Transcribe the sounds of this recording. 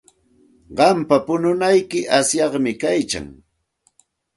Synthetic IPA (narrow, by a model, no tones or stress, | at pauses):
ɢɑmpapʊnʊnajkɪʔasjɑχmɪkajt͡ʃa̰ŋ